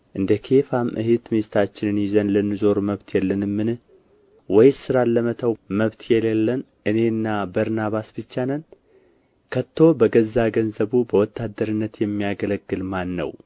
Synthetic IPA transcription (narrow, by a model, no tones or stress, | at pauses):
ʔɨnd̪əkʰe̞famʔɨhet̪mest̪ʰat͡ʃːɪnɨnjɪzənlɨnːɨzo̞ɾməβt̪ʰjɛlːənɨmːɨnɨh | wɔjsɨɾalːəmət̪ʰəwməβt̪ʰjɛlɛlːən | ʔɨne̞ɨnːabəɾnaβasb̥ɨt͡ʃːanən | kʰət̪ʰːo̞bəɡəzːaɡənzəβubəwɔt̪ʰːad̪ːəɾɨnːət̪jɛmːijaɡələɡːɨlmanːə̰w